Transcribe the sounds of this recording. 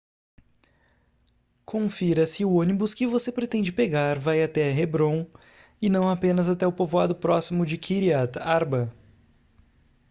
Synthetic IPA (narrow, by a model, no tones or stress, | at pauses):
kʰõfiɾɐsɪʊõnibʊskɪvosepɾet̪ẽnd͡ʒɪpeɡaɾvajat̪ɛɦebɾõw̃ | ɪnɐ̃w̃apẽnɐzat̪ɛʊpovoad̪ʊpɾɔsimʊd͡ʒɪkʰiɾiat̪aɾbɐ